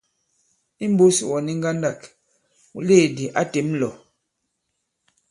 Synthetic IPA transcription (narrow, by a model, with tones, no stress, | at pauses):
i˦m̩˦bo˦si˦˨wɔ˨ni˦ŋ˦ɡa˦nda˦˨k | u˨le˦˨di˨ʔa˦te˨˦mlɔ˨